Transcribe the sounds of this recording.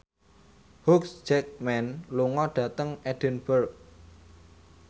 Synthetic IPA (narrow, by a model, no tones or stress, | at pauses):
huksd͡ʒɛk̚mɛnluŋɔɖ̥ä̤t̪əŋɛɖ̥ənb̥ərk̚